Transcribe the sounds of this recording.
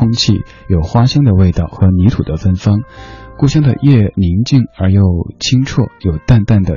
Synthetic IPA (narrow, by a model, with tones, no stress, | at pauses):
ʊ˥ŋt͡ɕʰḭ˥˩ | jo˨˩ʊxwa˥ɕjɑ˥ŋd̪ə˨we˥˧ɪt̪ɑ˥˩ʊxɤ˧˥ni˧˥t̪ʰu˨˩d̪ə˦fə˥nfɑ˥ŋku˥˩ɕjɑ˥ŋd̪ə̰˨˧jɛ˥˩ni˧˥ŋt͡ɕi˥˩ŋə˞˧˥jo˥˩˧ʊt͡ɕʰi˥ŋʈ͡ʂʰwɔ˥˩jo˨˩ʊt̪a˥˧nt̪a˥˩nd̪ə˩